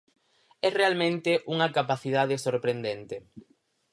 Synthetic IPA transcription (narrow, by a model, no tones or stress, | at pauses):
ɛrealmẽnt̪ɪʔuŋɐkapaθiðað̞esoɾpɾend̪ent̪e